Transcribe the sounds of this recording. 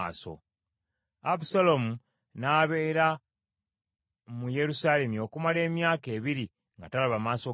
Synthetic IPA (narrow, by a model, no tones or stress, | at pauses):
so̞̰ | apusalomu | naːβe̞ːɾa | muje̞ɾusaːle̞mio̞kumale̞ːmjaːke̞ːβiɾi | ŋɡatalaβamaːso̞